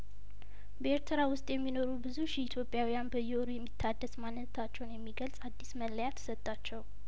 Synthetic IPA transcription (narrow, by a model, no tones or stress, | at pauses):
bəeɾt̪ʰɨɾawʊst̪ʼjɛmːino̞ɾubɨzuʃit̪ʰjo̞pʼjawijanbəjɛoɾujɛmːit̪ʰːad̪ːəsmanːɨnt̪ʰat͡ʃːɛwnjɛmːiɡəlsʼad̪ːisməlːəjat̪ʰsət̪ʼːat͡ʃːɛw